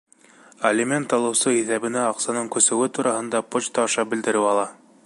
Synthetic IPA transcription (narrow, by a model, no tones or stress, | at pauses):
ɐlʲimʲent̪ːɑlˠɤ̆wsɤiθæβɘ̆næɑqsɑnɤɴkɵ̆sɘ̆wɘt̪uɾɑhɤ̆nd̪ɑpot͡ɕt̪ɑɑʃɑbɘ̆ld̪ɘ̆ɾɘwɑlˠɑ